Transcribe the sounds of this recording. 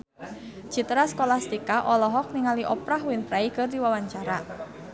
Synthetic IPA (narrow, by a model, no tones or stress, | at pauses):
d͡ʒ̥it̪ɾaskolahst̪ikaʔɔlɔɦɔk̚niŋaliʔɔpɾaɦwɪnpɾaikɨrd̪iwawaɲt͡ʃaɾa